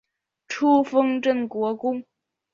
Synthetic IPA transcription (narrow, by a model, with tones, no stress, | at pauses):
ʈ͡ʂʰu˥fɤ˥ŋʈ͡ʂə˥˩nkwɔ˧˥kʊ˥ŋ